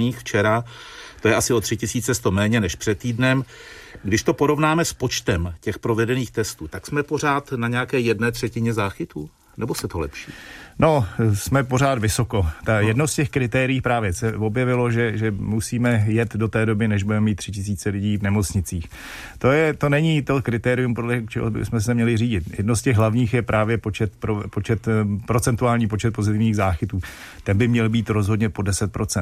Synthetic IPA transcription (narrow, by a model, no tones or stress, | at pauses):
ɲiːxft͡ʃɛɾa | t̪o̞jɛasɪo̞t̪r̝̥ɪcɪsiːt͡sɛst̪o̞mɛːɲɛnɛʃpr̥ɛt̪ːiːdnɛm | ɡdɪʃt̪o̞po̞ɾo̞vnaːmɛspo̞t͡ʃt̪ɛmcɛxpɾo̞vɛdɛniːxt̪ɛst̪uːt̪aksmɛpo̞r̝aːt̪naɲɛakɛːjɛdnɛːt̪r̝̥ɛcɪɲɛzaːxɪt̪uː | nɛbo̞sɛt̪olɛpʃḭːno̞smɛpor̝aːt̪vɪsokot̪ajɛdnowscɛxkɾɪt̪ɛːɾɪiːpɾaːvjɛsɛvo̞bjɛvɪlo̞ʒɛʒɛmusiːmɛjɛt̪do̞t̪ɛːdo̞bɪnɛʒbudɛmɛmiːt̪ːr̝̥ɪcɪs̬iːt͡sɛlɪɟiːvnɛmo̞t͡sɲɪt͡siːx | t̪o̞jɛt̪o̞nɛɲit̪okɾɪt̪ɛːɾɪjumpodlɛt͡ʃɛ̰ɦo̰bɪ̰smɛs̬ɛmɲɛlɪriːɟɪt̪jɛ̰dnoscɛɣɦlavɲiːxjɛpɾʔaːvjɛpot͡ʃɛt̪pɾopot͡ʃɛt̪pɾo̞t͡sɛnt̪uaːlɲiːpo̞t͡ʃɛt̪̚pozɪt̪ɪvɲiːɣzaːxɪt̪uː | t̪ɛnbɪmɲɛlbiːt̪ɾo̞zɦo̞dɲɛpo̞dɛsɛt̪̚pɾo̞t͡sɛnt̪